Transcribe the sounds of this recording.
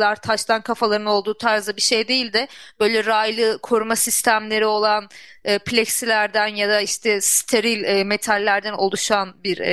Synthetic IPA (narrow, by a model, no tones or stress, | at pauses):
aɾt̪ʰaʃt̪ʰankʰafalˠaɾɯo̞lˠd̪uːt̪ʰaɾzd̪abiʃe̞jd̪e̞jilʲd̪ɪb̥ø̞jlʲɛɾaːjlˠɯkʰo̞ɾumasist̪ʰæmlʲe̞ɾio̞lˠanɯːplʲeksilʲæɾd̪ænjad̪aiʃt̪ʰɛst̪ʰe̞ɾilʲɛme̞t̪ʰalʲːæɾd̪æno̞lˠuʃanbiɾ